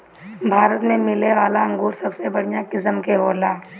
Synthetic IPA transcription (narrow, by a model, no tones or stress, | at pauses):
bʱaːɾət̪mẽmɪleʋaːlaɐ̃ŋɡuːɾsɐbsebɐɽ̤ijãkɪsəmkeɦoːlaː